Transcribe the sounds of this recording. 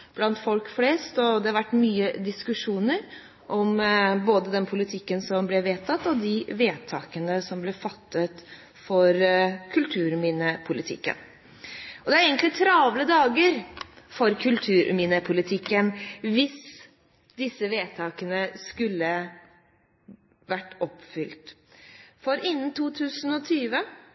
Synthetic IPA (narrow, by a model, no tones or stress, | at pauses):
b̥lɑnt̪fɔlkfleːst̪ɔd̪ɛhɑɾʋæʈːmyːəd̪ɪskʉʂuːnəɾ | ʔɔmboːd̪əd̪ɛnpʰʊlɪt̪ʰɪkːənsɔmblɛʋeːt̪ʰɑt̪ːɔd̪ɪʋeːt̪ʰɑːkənəsɔmblɛfɑt̪ːət̪ | fɔɾkʰʉlt̪ʰʉːɾminəpʰʊlɪt̪ʰɪ̰kːə̰n | ɔd̪ɛæɾeːɡənt̪lɪt̪ʰɾɑːʋləd̪ɑːɡəɾfɔɾkʰʉlt̪ʰʉːɾʔmiːnəpʰʊlɪt̪ʰɪkːənʋɪs | d̪ɪsːəʋeːt̪ʰɑːkənəskʉlːə | ʋæʈːɔpfʏlt̪ | fɔɾɪnːən̩t̪ʰuːt̪ʰʉːsən̩ɔt̪ʰyːʋə